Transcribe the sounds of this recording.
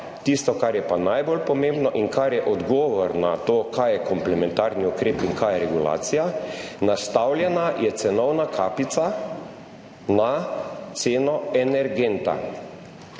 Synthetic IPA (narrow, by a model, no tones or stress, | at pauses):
t̪ist̪ɔkaɾjɛpanajbolpɔmẽmbnɔʔiŋkʰaɾjɛʔɔd̪ɡɔːʋɔɾnat̪oːkʰajɛkɔmplɛmɛnt̪aːɾniukɾeːpiŋkʰajɛɾɛɡula̰ːt̪sijanast̪awljɛnajɛt̪sɛnɔwnakʰaːpit̪sa | nat̪seːnɔɛnɛɾɡent̪a̰